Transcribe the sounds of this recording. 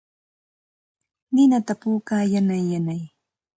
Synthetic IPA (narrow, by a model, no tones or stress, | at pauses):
nɪnat̪apuːkaːjanajːanaj